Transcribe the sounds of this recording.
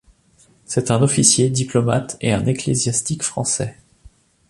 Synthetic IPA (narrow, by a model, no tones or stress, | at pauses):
sɛt̪ɛ̃nɔfisjed̪iplɔma̰t̪eɛ̃neklezjast̪ikfχɑ̰̃sɛ